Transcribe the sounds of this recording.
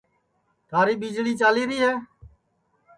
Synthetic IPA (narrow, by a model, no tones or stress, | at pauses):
t̪ʰaːɾiːɓid͡ʒɭiːt͡ʃaːliːɾiːɦɛː